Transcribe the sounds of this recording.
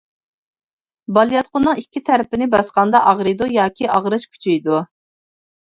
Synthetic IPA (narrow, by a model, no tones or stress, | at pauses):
bɑlˠijɑt̪̚qʊnːɨŋikʲʰːit̪ʰæɾɪpɪnɪbɑsqɑnd̪ɑʔɑʁɾɨd̪ujɑːkʲiɑʁɾɨʃkʲʰy̥t͡ʃʰejd̪u